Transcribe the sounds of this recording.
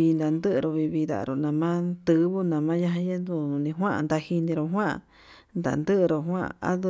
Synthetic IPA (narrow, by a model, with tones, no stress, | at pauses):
i˧nd̪a˨nd̪ɨ˦ʔɾo˧βi˧βi˧d̪a̰˨˧ɾo˧nã˧mã˦t̪ɨ˧˦βu˦nã˨mã˦ja˦ɦã˧je˦nd̪u˧˨ũ˨˧nĩ˧ɦwã˦ʔnd̪a˧hi˧nĩ˧ɾo˧ɦwã˦ʔ | nd̪a̰˨nd̪ɨ˦ʔɾo˧ɦwã̰˦˧˨a̰˦d̪